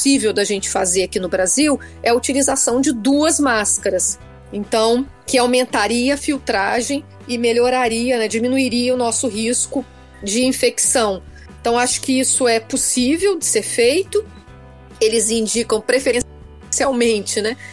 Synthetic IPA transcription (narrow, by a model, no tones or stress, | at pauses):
sivewd̪ɐʒẽnt͡ʃɪ̥fazeɾakinʊbɾaziwɛɐut͡ʃilizasɐ̃w̃d͡ʒɪd̪uɐzmaskɐɾɐs | ẽnt̪ɐ̃w̃ | kɪawmẽnt̪aɾiɐɐfiwt̪ɾaʒẽj̃ | ɪmeʎoɾaɾiɐnɛd͡ʒimĩnuiɾiɐʊnɔsʊɦiskʊ | d͡ʒɪĩfeksɐ̃w̃ | ẽt̪ɐ̃w̃aʃʊ̥kɪisʊɛposivewd͡ʒɪseɾfejt̪ʊ | elɪzĩd͡ʒikɐ̃w̃pɾefẽ | siawmẽnt͡ʃɪnɛ